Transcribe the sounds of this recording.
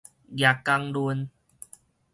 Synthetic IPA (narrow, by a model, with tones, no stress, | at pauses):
ɡja˨˩kːa˧ŋlu˧n